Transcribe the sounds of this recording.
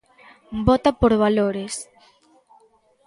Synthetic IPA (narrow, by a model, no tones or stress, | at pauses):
bɔt̪apoɾβaloɾes